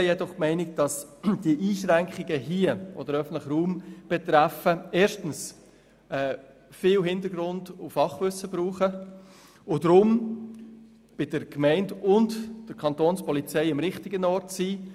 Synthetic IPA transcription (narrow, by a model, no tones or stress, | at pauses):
jɛdɔχmɛɪnɪk̚d̥ɑsd̥iəʔiːʃɾæŋkχɪɡəɦiəʔɔ̰d̥əɾœfn̩tləχəɾuːmb̥ɛt̪ɾæfəeːɾʃtən̩s | ɛː | fɪːlɦɪndəɾɡrʊndʊfɑχʋʏsəb̥ɾuːχə | ʊdɾʊm | b̥ɪd̥əɾkmɛɪndʊndd̥əɾkʰɑntoːnspɔlit͡sɛɪɪmɾɪχtɪɡənɔɾtsiː